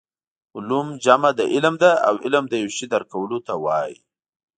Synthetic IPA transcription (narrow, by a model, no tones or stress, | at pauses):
ʊlumd͡ʒamad̪əʔɪlmd̪aa̰wɪlmd̪əjawʃid̪aɾkawəlot̪awɑjḭ